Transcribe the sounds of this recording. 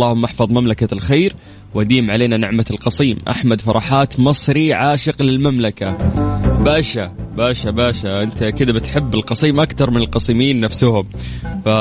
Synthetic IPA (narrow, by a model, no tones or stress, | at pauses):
lːɑːhʊmːʔɑħfɑðˤmamlakalxeːɾ | wʔad̪iːmʕaleːnanɪʕmalqɑsˤiːmʔa̰ħmad̪fɑɾˤʔɑːħaːt̪mɑsˤɾiʕaːʃɪqlɪlmamlakabaːʃabaːʃabaːʃaʔɪnt̪akɪd̪abɪt̪ħɪbːɪlqɑsˤiːmʔakt̪ɑɾˤmɪnɪlqɑsˤiːmiːnːafsʊhʊmfa